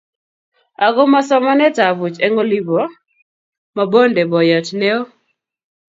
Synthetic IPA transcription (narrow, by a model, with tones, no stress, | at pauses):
a˨ɡɔ˦ma˦sɔ˦mɔ˦nɛ˦ta˨vu˨t͡ʃɛ˦ŋo˦li˦bɔ˨ | ma˨bo˦ndɛ˨bɔ˨ja˨t͡ʃnɛ˦o˦